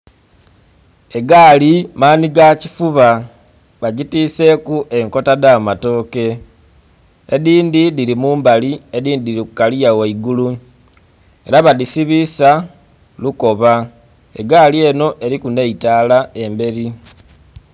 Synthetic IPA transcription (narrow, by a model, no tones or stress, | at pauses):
e̞ɡaːlimaːniɡacifuβa | βaɟitiːse̞kuʔe̞ŋko̞tadamato̞ːke̞ | ediːndidilimuːmbalie̞diːndidilikukalijaweiɡulu | e̞ɾaβaðisiβisa | luko̞βa | eɡaːlie̞no̞ʔe̞ɾikune̞itaːlae̞mbe̞ɾi